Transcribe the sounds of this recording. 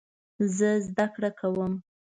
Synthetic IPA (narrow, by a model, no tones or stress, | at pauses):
zəzd̪akɽakʰawəm